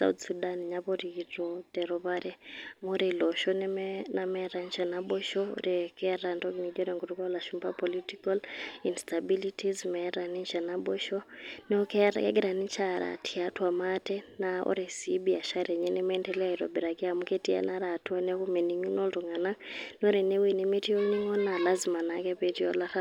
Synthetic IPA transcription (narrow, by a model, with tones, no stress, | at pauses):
sa̰ṵtsudaniɲaβɔɾiiɾɔtɛɾɔβaɾɛmuɾilɔʃɔnɛmnamɛɾa˨nt͡ʃa˨naɓɔ˦ʃɔɾɛkɛɾandɔkinid͡ʒɔɾɛŋɡu˨ɾukɔ˦laʃumba̰pɔlitikalinstabilitʰizmɛɾa˨ni˦ɲʃanaɓɔʃɔnɛɔ˦kɛ˦ɾa̰kɛ̰˦ɡɛ˦ɾa˨ni˦t͡ʃa˦ɾa̰˨tʰi˨atwa˨matɛ˦naɔ̰ɾɛ˨sibia˨ʃa˦ɾɛ˨ɲɛ˦nɛ˦mɛ˦ntɛ˦la˦i˨ɾɔ̰˨bi˨ɾa˨ki˦a˨mu˦ke˦ti˦a̰˦na˦ɾa˨tu˦a˦nɛ˦ku˦mɛ˨ni˨ɲu˦nɔ˦tɔ˨ŋa˨na˦n˦ɔ˦ɾɛ˨nɛ˦wi˨nɛ˦me˦ti˦ɔ˦ni˦ŋɔ˦na˨la˦zima˨nakɛ˦pɛ˨ti˦ɔ˦la˦ɾa˦